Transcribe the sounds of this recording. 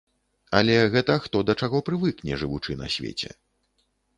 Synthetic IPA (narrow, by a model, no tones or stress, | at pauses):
ɐlʲɛɣɛt̪ɐxt̪ɔd̪ɐt͡ʂaɣɔpɾɨvɨknʲɛʐɨvut͡ʂɨnɐ̰sʲvʲḛt͡sʲɛ̰